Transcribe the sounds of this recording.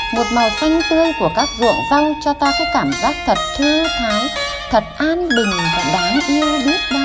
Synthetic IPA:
mo˨˩t̚maː˨˩jfa˧jŋ̟t̪ɨ˧əjku˧˩əkaː˦˥k̚zṵ˧˨əza˧wŋ͡mt͡ɕɔ˧t̪aː˧kɔː˨˦kaː˧˩mzaː˦˥k̚t̪ʰə˨˩t̚t̪ʰɨ˧t̪ʰaː˨˦j | t̪ʰə˨˩t̚ʔaː˧nɓɨ˨˩ŋ̟va˨˩ɗaː˨˦ŋʔi˧əwɗi˦˥ət̚ɗaː˧

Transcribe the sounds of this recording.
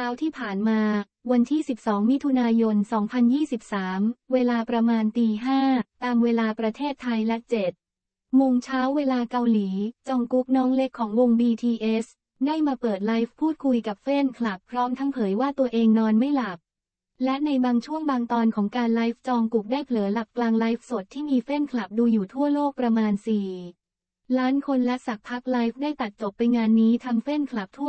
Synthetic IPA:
aː˦˥wt̪ʰiː˥˩pʰaː˨˩nmaː˧ | wa˧nt̪ʰiː˥˩si˨˩p̚sɔː˩˦ŋmi˦˥t̪ʰu˧naː˧jo˧nsɔː˩˦ŋpʰa˧njiː˥˩si˨˩p̚saː˩˦mweː˧laː˧pɾa˧maː˧nt̪iː˧ɦaː˥˩t̪aː˧mweː˧laː˧pɾa˧t̪ʰeː˥˩t̪ʰːa˧jlɛ˦˥t͡ɕe˨˩t̪̚ | mo˧ŋt͡ɕʰaː˦˥wːeː˧laː˧ka˧wliː˩˦t͡ɕɔː˧ŋku˦˥k̚nɔː˦˥ŋle˦˥kʰːɔː˩˦ŋwo˧ŋbiː˧t̪ʰiː˧ʔe˦˥s | daː˥˩jmaː˧pɤː˨˩t̪̬̚la˦˥jfpʰːuː˥˩t̪̚kʰu˧jka˨˩p̚fe˥˩nkʰla˨˩pʰːɾɔː˦˥mt̪ʰa˦˥ŋpʰɤː˩˦jwaː˥˩t̪u˧ɐʔeː˧ŋnɔː˧nma˥˩jla˨˩p̚ | lɛ˦˥na˧jbaː˧ŋt͡ɕʰu˥˩əŋbaː˧ŋt̪ɔː˧nkʰɔː˩˦ŋkaː˧nla˦˥jf̚t͡ɕɔː˧ŋku˨˩k̚daː˥˩jpʰlɯː˩˦la˨˩p̚klaː˧ŋla˦˥jf̚so˨˩t̪ʰːiː˥˩miː˧fe˥˩nkʰla˨˩p̚duː˧juː˨˩t̪ʰu˥˩ɐloː˥˩k̚pɾa˧maː˧nsiː˨˩ | laː˦˥nkʰo˧nlɛ˦˥ʔsa˨˩k̚pʰa˦˥k̚la˦˥jf̚daː˥˩jt̪a˨˩t̪̚t͡ɕo˨˩pːa˧jŋaː˧nːiː˦˥t̪ʰaː˧ŋfe˥˩nkʰla˨˩p̚t̪ʰu˥˩ə

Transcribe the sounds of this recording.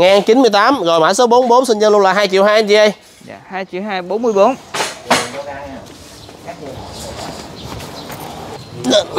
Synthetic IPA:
ŋaː˨˩nt͡ɕi˨˦nmɨ˧əjt̪aː˨˦mɣo˨˩jmɓaː˧˩jso˨˦ɓo˨˦nɓo˨˦nsï˧n̟zəː˧nlʊ˧nlaː˨˩ɦaː˧jt͡ɕḭ˨˧˨əwɦaː˧ja˧t͡ɕi˧˦ʔə˧j | j̰ːhaː˧jt͡ɕi˧˩˨wɦaː˧jɓo˨˦˥nmɨ˧jɓo˨˦n˨˦ | a˨˦˨

